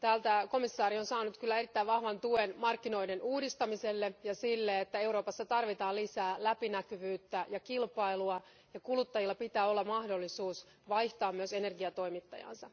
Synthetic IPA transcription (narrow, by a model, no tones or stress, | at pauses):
t̪æːlt̪æko̞misːɑːɾio̞nsɑːnut̪kylːæe̞rit̪ːæiʋʋɑhʋɑnt̪uenmɑrkːino̞idenuːdist̪ɑmiselːejɑsilːeet̪ːæe̞uɾo̞ːpɑsːɑt̪ɑrʋit̪ɑːlisæːlæpinækyʋyːt̪ːæjɑkilpɑiluɑ | jɑkulut̪ːɑjilːɑpit̪æːo̞lːɑmɑhdo̞lːisuːs | ʋɑjht̪ɑːmyøse̞ne̞rɡiɑt̪o̞jmit̪ːɑ̰jɑ̰nsɑ̰